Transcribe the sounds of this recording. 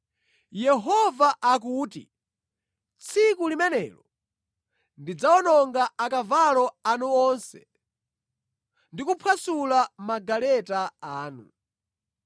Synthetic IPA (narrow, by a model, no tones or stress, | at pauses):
jɛɦɔvaʔak̬uːtḭ | t͡sʰikulimɛnɛ̰ːlɔ | ndid͡zaɔnɔŋɡaakavalɔanuɔnsɛ̰ | ndikupʰwasulamaɡalɛtaaːnu